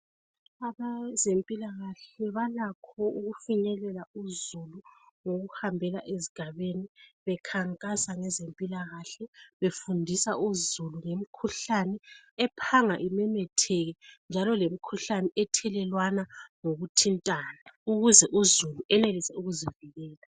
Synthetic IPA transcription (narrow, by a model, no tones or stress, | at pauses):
aβazempʼilaɣaɬɛβalakʰɔuɣufiɲɛlɛlauzuluŋoɣuhambʱɛlaʔeziɡ̥ʱaβeniβɛkʰaŋkʼasaŋɛzempʼilaɣaɬɛβefundʱisa̰uzuluŋemikʰuɬanɛɛpʰaŋaʔimɛmɛtʰɛɣɛnd͡ʒʱalɔlem̩kʰuɬanɛʔɛtʰɛlɛlwanaŋoɣutʰintʼanauɣuzɛʔuzuluʔɛnelisɛuɣuziviɣɛːla